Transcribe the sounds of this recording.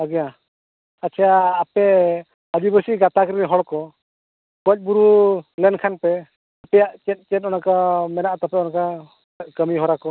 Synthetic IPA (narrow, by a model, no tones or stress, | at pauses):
aɡɛja | at͡ʃʰijaːpɛ | əd͡ʒibəsiɡat̪akɾiɛɦɔɽkɔ | kɔc̚ˀbuɾulɛnkʰanpɛ | apɛjaʔt͡ʃɛt̪̚ˀt͡ʃɛt̚ɔnakamɛnaʔt̪ɔpɛɔnaka | kəmiɦɔɾakɔ